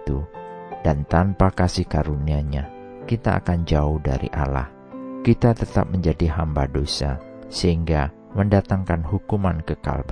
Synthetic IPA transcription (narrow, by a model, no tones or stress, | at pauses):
t̪ud̥ant̪anpakasihkaɾuniaɲa | kit̪aa̰kand͡ʒaʊhda̰ɾḭʔa̰la̰h | kit̪at̪ət̪a̰p̚məɲd͡ʒadiɦambadosa̰ | səɦiŋɡa | məndat̪aŋkanɦukumankəka̰lb